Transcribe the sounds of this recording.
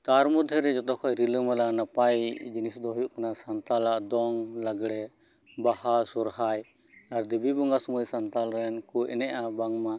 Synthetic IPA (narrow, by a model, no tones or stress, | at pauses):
t̪aɾmud̪ʱjəɾɛd͡ʒɔt̪ɔkʰɔjɾiləmalanapajd͡ʒinisd̪ɔɦɔjuʔkanasant̪alaʔd̪ɔŋlaɡɽɛ | bahasɔɾhaj | aɾd̪ibibɔŋɡasɔmujsant̪alɾɛnkuɛ̰nɛʔabaŋma